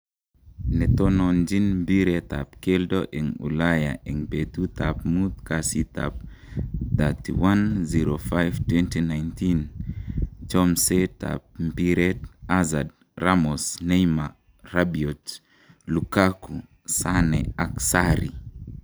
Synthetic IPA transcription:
nɛt̪ɔnɔnd͡ʒinmbiɾɛt̪a̰p̚kɛldoʔɛŋṵlaja̰ʔɛŋpet̪ut̪apmut̪kasit̪a̰p̚ | d̪atḭwanziɾofajvtwɛntinajntin | t͡ʃɔmseta̰p̚mpiɾɛtazad̚ | ramosnejma | rabiɔt | lukaku | sanɛaksaɾḭ

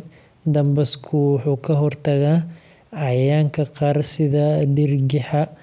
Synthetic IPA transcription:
d̪ɐmbɐskʰʊwʊħuːkʰɐɦɔrt̪ʰɐɣaː | ɑjaːŋkʰɐqɑːɾsɪðɐɖɪrɡɪħɐ

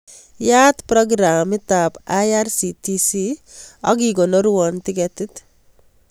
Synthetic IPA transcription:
jaːt̪pɾɔɡɾamɪt̪apajaɾsit̪isiɑ̰ɡiɡɔnɔɾuɔnt̪ɪɡɛt̪ɪt̪

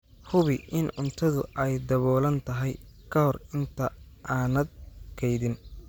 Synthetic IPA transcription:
hʊβɪʔɪnʊnt̪ʰɐðʊʔɛjd̪ɐβɔːlɐnt̪ʰɐɦɛj | kʰɐhɔrɪnt̪ʰɐ | ʔaːnɐd̪̚kʰɛjðɪn

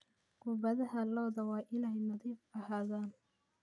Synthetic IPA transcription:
ɡʊbɐðɐɦɐlɔːðɐwɑːʔɪnɛjnɐðiːbɐhaːðaːn

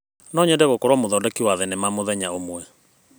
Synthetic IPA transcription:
nɔɲɛndɛɣokɔɾwɔmoðɔːdɛkiwaðɛnemamoðɛɲaomwɛ

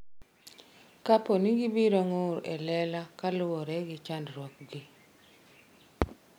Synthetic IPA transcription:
kaponiɡibiɾoŋoɾɛ̰lɛlakalʊwɔɾɛɡɪt͡ʃandrwɔk̚ɡi

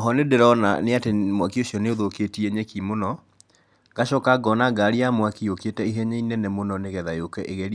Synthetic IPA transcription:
ɦɔnedeɾɔna̰neatemwakioɕjɔneoðoketieɲɛkimonɔ | ɡaʃɔkaɡɔnaɡaɾiamwakioketɛiɦɛɲɛinɛnɛmonɔneɣɛðajokɛʔeɣɛɾi

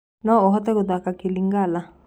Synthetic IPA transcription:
nɔɔɦɔtɛkod̪akakiliŋɡala

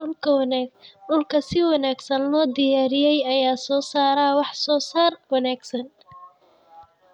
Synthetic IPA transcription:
ʊlkʰɐwɑnaːɡ̚ɖʊlkʰɐsɪwɑnaːɡsɐnlɔːd̪ɪjaːɾɪjɛjɐjaːsɔːsaːɾaːwɑħsɔːsaːrwɑnaːɡsɐn

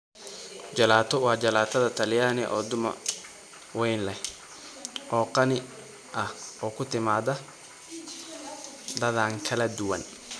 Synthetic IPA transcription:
d͡ʒɐlaːt̪ɔwaːd͡ʒɐlaːt̪ɐd̪ɐt̪ɐlɪjaːnɛʔɔːd̪ʊmɐ̰ | wɛjnlɐ | ʔɔːqɐnɪ | ʔɐɔːkʊt̪ɪmaːd̪ɐ | d̪ɐðaːŋkʰɐlɐd̪ʊwɐn

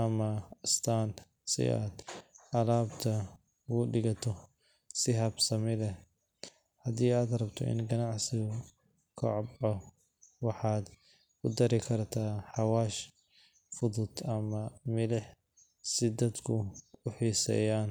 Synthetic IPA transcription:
ʔɐmɐst̪ʰaːn | sɪ̰ʔa̰ːd̪ʔɐlaːbt̪ʰɐ | ɡʊɖɪɡɐt̪ʰɔ | sɪɦɐbsɐmɪlɛ | hɐd̪iːaːd̪ɾɐbt̪ʰɔ̰ʔɪ̰nɡɐnaʕsɪɣ | kʰɔ̰ʕbʕɔ | wɑħɑːd̪ | kʊd̪ɐɾɪkʰɐrt̪ʰaːħɑwaːʃ | fʊd̪ʊd̪ɐmɐmɪlɛħ | sɪd̪ɐd̪kʰʊbʊħiːsɛ̰jaːn

